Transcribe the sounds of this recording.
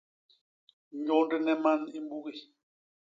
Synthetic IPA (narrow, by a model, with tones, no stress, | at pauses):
ɲɔ˦ndɛ˦nɛ˦ma˦ni˦mbu˦ɣi˨